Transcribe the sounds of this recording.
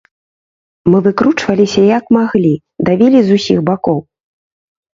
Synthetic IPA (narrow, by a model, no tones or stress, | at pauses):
mɨvɨkɾut͡ʂvɐlʲisʲɐjɐkmaɣlʲi | d̪avʲilʲizusʲixbakɔw